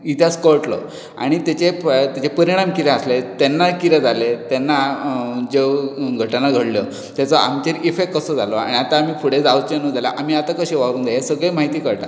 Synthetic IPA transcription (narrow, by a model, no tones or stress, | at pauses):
it̪ʰjaskəɾʈlɔ̰ | a̰ɽ̃it̪at͡ɕet̪jat͡ɕepəɾiɽ̃amkiɾɛaslet̪ɛnːakiɾed͡zalet̪ɛnːad͡zeɡʱəʈanaɡʱəɽljɔ | t̪jat͡sɔa̰mt͡ɕeɾifekkːəsəd͡zʱalɔa̰ɽ̃iat̪aamiːfʰuɽed͡zaʋt͡ɕenud͡zala̰ʔam̤iat̪akəɕeʋaɾuːnd̪eɦesəɡɭemaɦit̪iːkəɾʈa̰